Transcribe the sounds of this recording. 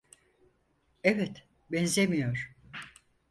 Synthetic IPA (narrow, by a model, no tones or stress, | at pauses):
evɛt̪ | bɛnzemijoɾ̥